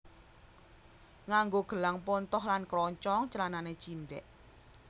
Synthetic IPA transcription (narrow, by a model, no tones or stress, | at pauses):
ŋaŋɡoɡ̥ə̤laŋpɔnt̪ɔhlankɾɔɲt͡ʃɔŋt͡ʃəlananet͡ʃinɖɛ̰ʔ